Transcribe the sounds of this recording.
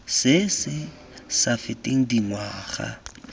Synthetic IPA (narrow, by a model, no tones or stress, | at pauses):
sɪsɪ | safɪtʼeŋ̩dimwaːχa̰